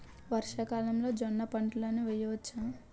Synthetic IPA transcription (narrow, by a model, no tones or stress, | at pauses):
ʋɐɾʂɐkaːlɐmlo̞ːd͡ʒɔnːɐpɐɳʈloːnuʋɛjɐʋɐt͡ʃːa